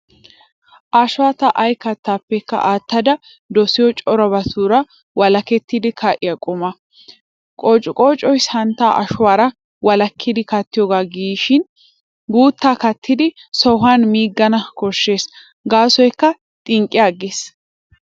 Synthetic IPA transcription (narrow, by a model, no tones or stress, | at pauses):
ʔaʃʊwaːt̪ɐʔɐjkɐt̪ːaːpːɛkːɐ̰ʔaːt̪ːɐd̪ɐ | d̪ɔsɪjɔt͡ʃʼɔɾɐbɐt̪uːɾɐ | wɐlɐkɛt̪ːid̪ɪkʰɐʔɪjɐkʼʊmɐ | kʼoːt͡ʃʼʊkʼoːt͡ʃʼɔjshɐnt̪ːaːʔɐʃʊwaːɾɐ | wɐlɐkʰːɪd̪ɪkɐt̪ːɪjɔːɡaːɡiːʃɪn | ɡuːt̪ːaːkɐt̪ːɪd̪ɪsɔɦaːnmiːɡːɐnɐkɔʃːe̞ːs | ɡaːsɔjkːɐ | t̪ʼɪŋkʼːɪjaːɡeːs